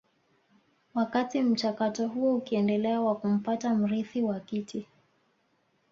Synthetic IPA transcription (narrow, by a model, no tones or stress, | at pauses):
wakatim̩t͡ʃakatɔɦuɔukiɛndɛlɛawakum̩patam̩ɾiθiwakitʰi